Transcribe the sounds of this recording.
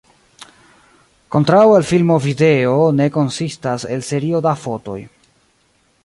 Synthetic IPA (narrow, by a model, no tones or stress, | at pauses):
ko̞ntɾawelfilmo̞vide̞one̞ko̞nsistase̞lse̞ɾio̞dafo̞to̞̰j